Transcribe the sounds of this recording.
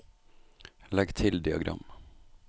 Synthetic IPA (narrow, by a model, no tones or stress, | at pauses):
lɛɡt̪ʰɪld̪ɪaɡɾʔa̰mː